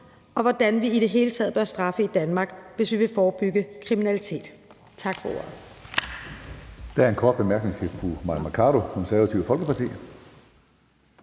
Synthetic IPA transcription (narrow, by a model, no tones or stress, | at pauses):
ʔɒ̽ʋɒd̥ænʋiiɾ̥e̝ɦe̝ːlət͡sʰɛ̰ð̩ˠb̥ɶɐsd̥ʁɑ̈fəid̥ænmɑ̈ːɡ̥ʋe̝sʋiʋe̝fɒːb̥yɡ̥əkʰʁiminælit͡sʰe̝̰ːd̥ | t͡sʰɑ̈ɡ̥fɒ̽o̝ɐ̰ð̩ˠ | d̥ææɐe̝nkʰɒ̰ːd̥̚b̥e̝mæɐɡ̥ne̝ŋt͡sʰe̝fʰumɑmækʰɑɾo̝kʰɔ̽nsæɐʋæt͡sʰiʊfɒ̽lɡ̥əpʰɑ̈t͡sʰḭː